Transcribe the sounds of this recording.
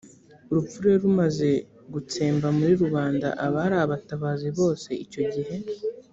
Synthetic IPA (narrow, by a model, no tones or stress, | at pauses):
uɾup͡fuɾe̞ɾumaze̞ | ɡut͡se̞ːmbamuɾiɾuβaːnda̰ʔaβaɾaːβataβaːziβo̞ːse̞ico̞ɟiɦe̞